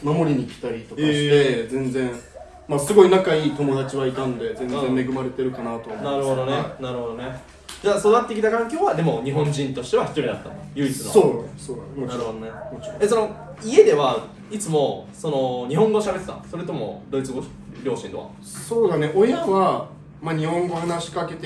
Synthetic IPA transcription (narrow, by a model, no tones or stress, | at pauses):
mamo̞ɾʲiɲ̟iːkʲi̥t̪ait̪okkːɕt̪e̞zẽ̞nd͡zẽ̞ɰ̃ | masɨɡo̞inakaiːt̪o̞mo̞d̪at͡ɕiβaik̪ãnd̪e̞zẽ̞nzẽ̞mme̞ɡɯ̟maɾe̞t̪e̞ɾɯ̟kanat̪oːmnaɾɯho̞d̪o̞nenaɾɯ̟ho̞d̪o̞ne̞ | d͡ʑaːso̞d̪at̪ːe̞kʲit̪akãŋkʲoːβad̪e̞mo̞ɲ̟iɦõ̞ɲd͡ʑĩnt̪o̞ɕi̥t̪e̞βaçi̥t̪o̞ɾʲid̪a̰t̪ːamojɯ̟it͡st͡sɨ̰soːsoːanaɾɯho̞d̪onemot͡ɕoeso̞no̞ | ie̞d̪e̞βa | it͡sɨmo̞so̞no̞ɲ̟iɦõŋɡo̞ɕabe̞t̪e̥t̪a̰so̞ɾe̞t̪o̞mo̞̰d̪o̞it͡sɨɡo̞ | ɾʲo̞ːɕḭ̃nd̪oβa̰ | so̞ːd̪ane̞ʔo̞jaβa | maɲ̟ihõ̞ŋɡohanaɕi̥kake̞t̪e